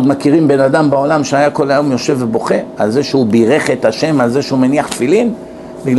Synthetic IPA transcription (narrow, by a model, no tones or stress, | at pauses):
d̪makiʁimbe̞nad̪ambao̞lamʃeajako̞lajo̞mjo̞ʃe̞vːebo̞χe̞alze̞ʃeubiʁe̞χe̞t̪aʃe̞malze̞ʃeumeniaχt̪filin | biɡl